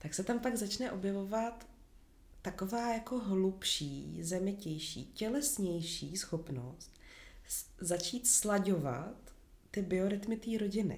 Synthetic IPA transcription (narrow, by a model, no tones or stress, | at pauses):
t̪aksɛt̪ampaɡzat͡ʃnɛʔo̞bjɛvo̞vat̪ː | ako̞vaːjako̞ɦlupʃiːzɛmɪcɛjʃḭːcɛlɛsɲɛjʃiːsxo̞pno̞̰st̪ | zat͡ʃiːt̪slaɟo̞va̰t̪ː | ɪbɪoɾɪt̪mɪt̪iːɾo̞ɟɪnɪ̰